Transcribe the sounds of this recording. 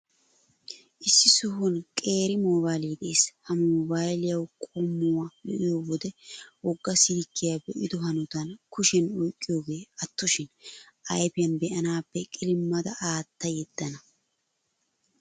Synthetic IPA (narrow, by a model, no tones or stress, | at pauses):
ʔɪsːɪsʊɦʊnkʼe̞ːɾɪmɔbaːliːd̪ɛʔeːshɐmobajlɪjɐwkʼɔmːʊwajɔ̰ʔɪjoːwɔd̪ɛwɔɡːɐsɪd̪ɪkːɪjaːbɛʔɪd̪ʊɦɐnʊt̪ɐnkʰʊʃɛnɔjkʼːɪjo̞ːɡe̞ːɐt̪ːʊʃɪnʔɐjpɪjɐnbɛʔɐnaːpːɛkʼɪlɪmːɐd̪ɐʔaːt̪ːɐjɛd̪̥ːɐnɐ